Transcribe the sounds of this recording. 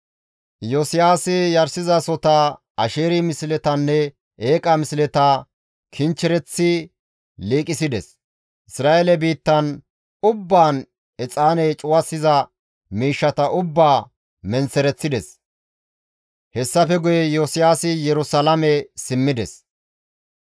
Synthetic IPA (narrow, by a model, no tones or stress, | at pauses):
josɪjaːsɪjɐɾsɪzɐsɔt̪ɐ | ɐʃeːɾimɪslɛt̪ɐnːɛ | eːkʼɐmɪslɛt̪ɐ | kʰɪnt͡ʃːɪɾɛt͡sːɪ | liːkʼɪsɪd̪ɛs | ʔɪsɾaːʔelɛbiːt̪ːɐn | ʊbːaːn | ɛt͡sʼaːnɛjt͡ʃʼʊwɐsːɪzɐ | miːʃːɐt̪ɐʔʊbːaː | mɛnsɛɾɛt͡sːɪd̪ɛs | hɛsːɐfɛɡʊjɛjosɪjaːsɪjɛɾʊsɐlɐmɛsɪmːɪd̪ɛs